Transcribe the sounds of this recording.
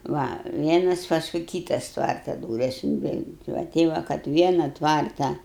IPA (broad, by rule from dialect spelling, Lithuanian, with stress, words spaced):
ˈʋɐ ˈʋʲiɛnɐs ˈpɑːskʊɪ ˈkʲiːtɐs ˈtʋɐrtɐ ˈduːrʲɛs ɪnʲˈʋʲɛɪnʲɪ ˈʋɐ ˈtʲɛɪ ʋɐ kɐt ˈʋʲiɛnɐ ˈtʋɐrtɐ